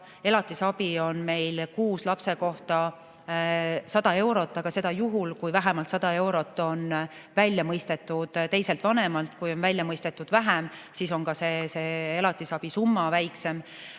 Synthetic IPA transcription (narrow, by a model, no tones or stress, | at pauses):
e̞lɑt̪ːˑisɑbio̞nme̞jlkuːslɑpse̞ko̞ht̪ɑ | sɑd̪̥ɑe̞wɾo̞t̪ːˑɑɡ̥ɑse̞d̪ɑjuɦulkujvæɦæmɑlt̪sɑd̪ɑe̞wɾo̞t̪ːˑo̞n | vælʲːjɑmɤjst̪e̞t̪ːˑud̪̥t̪e̞jselt̪vɑne̞mɑlt̪̚kujo̞nvælʲjɑmɤjst̪e̞t̪ːˑud̪̥væɦæmsiso̞ŋkɑse̞se̞ːelɑt̪ːˑisɑb̥isumːɑvæjkse̞m